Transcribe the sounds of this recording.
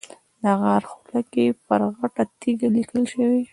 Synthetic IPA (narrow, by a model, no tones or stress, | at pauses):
d̪ɣaɾxulakepəɾɣaʈat̪iɡalikəlʃəwi